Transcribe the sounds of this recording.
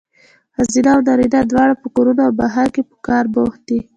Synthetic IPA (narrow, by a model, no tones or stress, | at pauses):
hazinawnaɾid̪ad̪wɑɽapəkoɾunoawbaɦaɾkepə̥kɑɾboht̪̚d̪i